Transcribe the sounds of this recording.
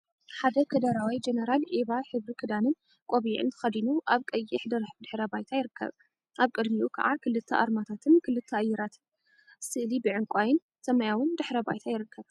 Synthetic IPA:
ħad̪ɐkʰɐd̪ɐɾawid͡ʒenɐɾalʔeβaħɨβɾikʰɨd̪anɨn | kʷʼoβʕɨ̰nt̪ʰɨ̥xɐd̪inuʔaβkʼɐjːɪħd̪ɐɾħbɨd̪ɨħɾɐbajt̪ʰajɪɾɨkʰːɐ̰β | ʔaβkʼɨd̪miʔukʰɐ̰ʕakʰɨlɨt̪ʰːɐʔa̰ɾmat̪ʰat̪ʰɨnkʰɨlɨt̪ʰːɐajːɛɾat̪ʰɨn | sɨlibɨʕɨŋkʷʼajɪn | sɐmajawɨnd̪ɨħɾɐba̰jt̪ʰajɪɾɨkʰːɐβ

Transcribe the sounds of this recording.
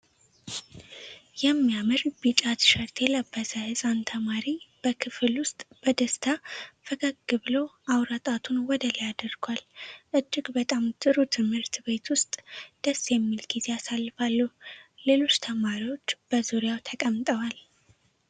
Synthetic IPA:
jɛmːijamɨɾbit͡ʃʼat̪ʃəɾt̪ʰeləbːəsəhɨsʼant̪ʰəmaɾib̥əkʰɨfɨlwʊst̪ʼb̥əd̪əst̪ʰafəɡəɡɨβɨlo̞awɾət̪ʼat̪ʰunwɔd̪əlijad̪ɨɾɡwalʔɨd͡ʒːɪɡbət̪ʼamt̪ʰʼɨɾut̪ʰɨmhɨɾt̪be̞t̪wʊst̪ʼd̪̥əsjɛmːilɡ̥ize̞asalːɨfalːule̞lo̞t͡ʃːt̪ʰəmaɾiwo̞t͡ʃːb̥əzuɾjawt̪ʰəkʼəmt̪ʼəwal

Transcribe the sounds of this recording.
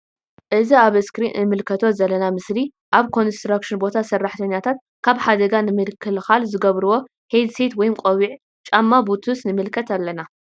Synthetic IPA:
ʔɨziaβɨskɾinʔɨmɨlkʰɐt̪ʰo̞zɐlːɐnamɨsli | ʔaβkʰo̞nst̪ɾakʃɨnbo̞t̪ʰasɐrːaħt̪ʰɐɲːat̪ʰat̪̚ | kʰaβħad̪ɐɡanɨmɨlkʰːɨlxalzɨɡɐβɾɨwo̞ | hed̪set̪wɔjɪmkʼowiʕ | t͡ʃʼamːabut̪ʰusnɨmɨlkʰɐt̪ʰalːɐna

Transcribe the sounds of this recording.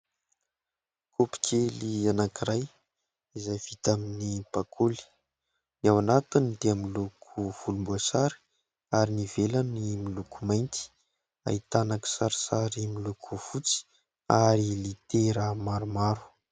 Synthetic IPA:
kʰupi̥kʲʰelianakiɾaj | izajvit̪aminipakʰuli̥ | niawanat̪und̪eamilukʰuv̥ulumbuasaɾi̥ | aɾinivelanimilukumajnt̪i̥ | a̰it̪anaki̥saɾisaɾimilukʰuv̥ut͡si̥ | aɾilit̪eɾəmaɾumaɾu̥

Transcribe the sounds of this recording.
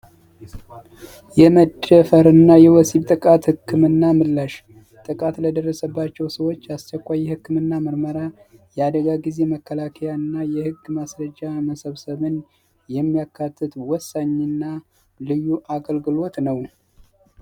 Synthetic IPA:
jɛməd̪əfəɾɨnːajɛwɔsiβt̪ʼɨkʼat̪hɨkʰːɨmɨnːamɨlːaʃ | t̪ʼɨkʼat̪ləd̪ərːəsəbːat͡ʃːɛwsəwo̞t͡ʃːast͡ʃːɛkʷːajːɛhɨkːɨmɨnːaməɾməɾajɛad̪əɡaɡize̞məkːəlakʰəjanːajɛhɨɡːmasɾəd͡ʒːaməsəβsəβɨn | jɛmːijakʰːat̪ʰːɨt̪wɔsːaɲːɨnːa | lɨjːuʔaɡəlɡɨlo̞t̪nəw

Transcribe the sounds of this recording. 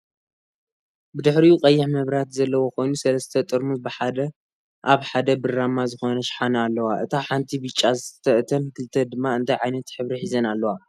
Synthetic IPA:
bɨd̪ɨħɾiuqʼɐjːɪħmɐβɾat̪zɐlːɐwo̞kʰo̞jnusɐlɐst̪ʰɐt̪ʼɨɾmubɨħad̪ɐ | ʔaβħad̪ɐbɨrːamazɨxo̞nɐʃħanɐalːɐwaʔɨt̪ʰaħant̪ʰibɨt͡ʃʼːazɨt̪ʰɐʔt̪ʰɐnkʰɨlt̪ʰɐd̪ɨmːaɨnt̪ʰajʕajnɐt̪ħɨβɾiħizɐnalːɐwa

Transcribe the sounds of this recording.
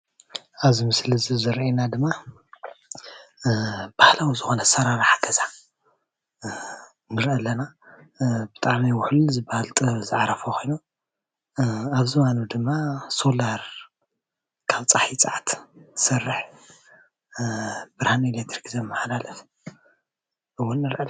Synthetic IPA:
aβzimɨslɨzɨzɨɾenad̪ɨmːa | b̥ahlawizɨxo̞nɐsɐɾaɾaħaɡɐza | nɨɾʔɐlːɐna | bɨt̪ʼaʕmijwʊħlzɨbahalt̪ʼɨzɨʕaɾɐfokʰo̞jnu | aβzɨwanud̪ɨmːaso̞laɾ | kʰaβt͡sʼaħit͡sʼaʕat̪sɐrːɨħ | b̥ɨɾhanelet̪ʰɾikzɐmːaħalalɐf | ʔɨwʊnːɨɾʔɐl

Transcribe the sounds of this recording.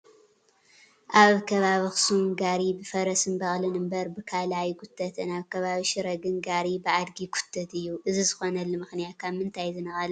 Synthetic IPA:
ʔaβkʰɐβaβixsumɡaɾibɨfɐɾɐsɨnbɐxʼlɨnɨmbɐɾbɨkʰalajɡʊt̪ʰːɐt̪ʰɨnaβkʰɐβaβiʃɪɾɐɡɨnɡaɾibɨʔad̪ɡikʰʊ̥t̪ʰːɐt̪ɨjːuʔɨzizɨxo̞nɐlːɨmɨxnijat̪̚kʰaβmɨnt̪ʰajzɨnɐxʼɐlɐ

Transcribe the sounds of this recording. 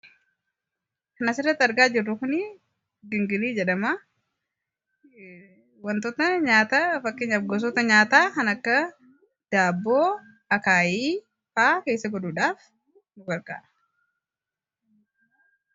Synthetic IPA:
kɐnɐsɪrɐt̪ːɐɾɡaːd͡ʒɪrːʊkʊni | ɡɪŋɡɪliːd͡ʒɛᶑɐma | wɐnt̪ɔt̪ɐɲaːt̪afɐkːɪɲɐfɡɔs̬ɔt̪ɐɲaːt̪aːkɐnɐkːɐ | d̪̥aːbːoː | ɐkaːjiː | faːke̞ːjsːɐɡɔd̪uːᶑaːf | nʊɡɐɾka̰ːʔɐ̥

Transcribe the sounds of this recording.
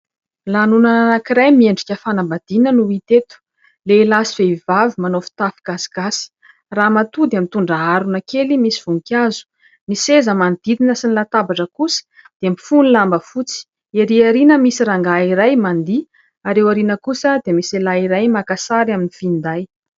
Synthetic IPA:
lanunaanakiɾajmieɳɖ͡ʐikʲəfanambad̪̥inənuit̪et̪u̥ | lelasiv̥eivavimanofi̥t̪afiɡ̥asi̥ɡ̥asi̥ | ramat̪ud̪amint̪uɳɖ͡ʐaaɾunakelimisi̥v̥uŋkʲazu̥ | nisezəmand̪̥id̪inəsinilat̪abaʈ͡ʂəkusə̥ | d̪̥emifunilambəfut͡si̥ | eɾiaɾinəmisiɾaŋɡaiɾajmand̪i | aɾewaɾinəkusəd̪emiselaiɾajmakasaɾaminifind̪aj

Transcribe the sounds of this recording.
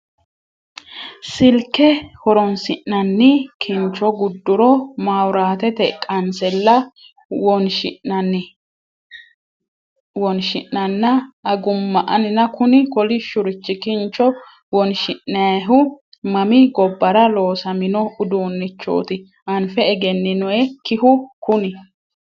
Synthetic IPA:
sɪlkːɛhɔɾɔnsɪʔɐnːɪkʰɪnt͡ʃːɔɡʊd̪ːʊɾɔmawɾaːt̪ɛt̪ɛkʼɐnsɛlːɐ | wɔnʃɪɐn | wɔnʃɪnːɐnːɐːɡʊmːɐʔɐnɪnɐkʊnɪkɔlɪʃʊɾɪt͡ʃːɪkɪnt͡ʃːɔ | wɔnʃɪʔːɐɦʊ | mɐmɪɡɔbːɐɾɐlo̞ːsɐmɪnɔʊd̪uːnːɪt͡ʃːo̰ːt̪ɪ | ɐnfɛɛɡɛnːɪnɔɛkɪhʊkʊnɪ

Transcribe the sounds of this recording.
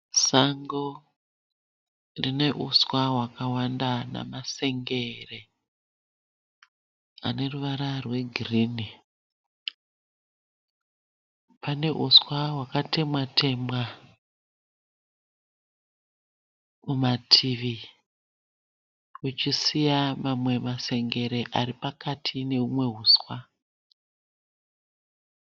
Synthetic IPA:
saŋɡo | rine̞ʔuswawakawandana̰mase̞ŋɡe̞re | a̰ne̞ruʋaɾarwe̞ɡʱiriːni | pane̞ʔuswaɦwakate̞mwatʰe̞mwa | mumatʰiʋi | ut͡ʃisijamamwe̞mase̞ŋɡe̞ɾe̞ʔaripakatʰine̞ɦumwe̞ɦuːswa

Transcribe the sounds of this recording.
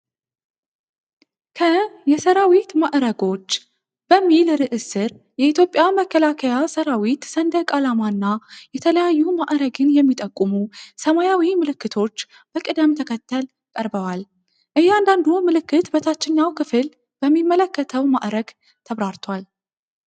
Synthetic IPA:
kʰəjɛsəɾawit̪maʔɾəɡo̞t͡ʃː | b̥əmːilɾɨʔɨsɨɾ | jɛit̪ʰjo̞pʼːjaməkʰːəlakʰəjasəɾawit̪sənd̪əkʼalamaɨnːajɛt̪ʰələjajːumaʔɾəɡɨnjɛmːit̪ʼəkʼːumusəmajawimɨlɨkːɨt̪ʰo̞t͡ʃː | b̥əkʼɨd̪əmt̪ʰəkʰət̪ːəl | kʼəɾbəwal | ʔɨjːɛand̪and̪umɨlɨkːɨt̪bət̪ʰat͡ʃːɪɲːawkʰɨfɨl | b̥əmːimːələkːət̪ʰəwma̰ʔɾəɡ | t̪ʰəβɾaɾt̪ʰwal

